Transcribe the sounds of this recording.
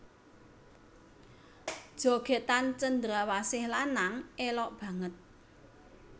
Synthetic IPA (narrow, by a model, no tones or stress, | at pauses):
d̥ʒ̥o̤ɡ̥e̤t̪ant͡ʃənd̪ɾawasɪhlanaŋelɔʔb̥ä̤ŋət̪̚